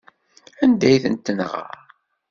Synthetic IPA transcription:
ənd̪æjθə̰nt̪ːənʁə̰

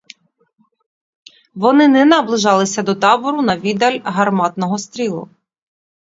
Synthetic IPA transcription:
ʋɔnɪnɛnɐblˠɪʒɑlˠɪsʲɐd̪ɔt̪ɑbɔɾʊnɐʋʲid̪ɐlʲɦɐrmɑt̪nɔɦɔst̪ɾʲilˠʊ̰

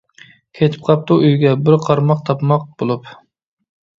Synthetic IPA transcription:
kʲʰet̪ʰɪ̥p̚qʰɑp̚t̪uʔyjɡʲɛbɪɾqʰɑɾmɑqt̪ʰɑpmɑq̚bolˠup

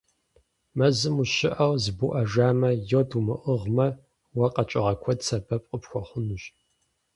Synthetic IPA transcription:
mɐzɨmuʃɪʔɐwzɨbuʔɐʒaːmɐjodumɨʔəʁmɐ | wɐqʼɐt͡ʃʼɪʁɐkʷʰɔdsɐbɐpʼqʼəpxʷɔχʷʊnuɕ

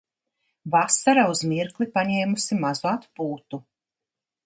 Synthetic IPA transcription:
vasaɾauzmiɾklˠipaɲɛːmusimazuat̪puːt̪u

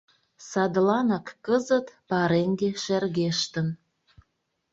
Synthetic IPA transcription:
sɑd̪lɑnɑkːəzə̆t̪pɑɾeŋɡeʃærɣeʃt̪ə̆n

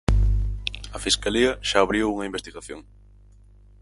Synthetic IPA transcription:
ɐfiskaliɐʃaːβɾiowuŋɐimbest̪iɣaθjoŋ

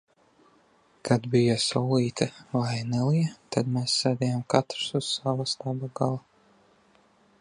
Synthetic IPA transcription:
kʰad̪bijasɔːlˠiːt̪ʰɐvajnɛlˠijɛt̪ad̪meːsːɛːd̪ʲɛjamkat̪ɾsuz̥savast̪abaɡalˠa

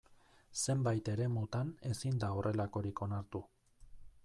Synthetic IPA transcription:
se̞mbajt̪e̞ɾe̞mut̪ane̞sind̪aorʔe̞lako̞ɾiko̞naɾt̪u

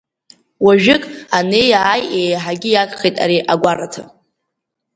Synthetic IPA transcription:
waʒᶣɪkʼane̞jaːjejħaɡʲɪjakʼχejtʼa̰ɾiʔaɡʷaratʰa̰

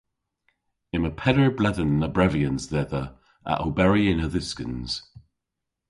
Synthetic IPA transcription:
ɪməpʰɛdɹəblɛðənləbɹɛviə̃nzðɛðə | ʔə̰ʔəbɛɹiɪ̃nəðɪskə̰̃nz̥

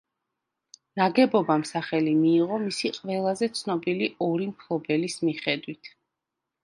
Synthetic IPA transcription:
naɡɛbɔbamsaχɛlimiːʁɔmisiqʼvɛlˠazɛt̪sʰnɔbiliʔɔɾimkʰlˠɔbɛlismiχɛd̪wit̪ʰ

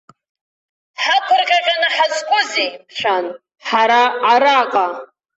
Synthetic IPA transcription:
ħakʷʰʊrqʲʼaqʲʼanɨħazkʷʼʊzipʰʂʷᶣan | ħaɾaːɾaqʼa

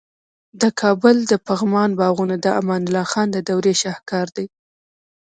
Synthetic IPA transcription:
d̪əkʰɑbʊld̪əpaɣmɑnbɑɣunad̪əamɑnɪlɑxɑnd̪əd̪awɾeʃɑhkɑɾd̪aj

